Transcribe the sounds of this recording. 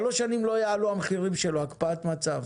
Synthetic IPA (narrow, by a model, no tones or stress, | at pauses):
lo̞ʃanimlo̞jaaluamχiʁimʃe̞loakpaat̪mat͡sav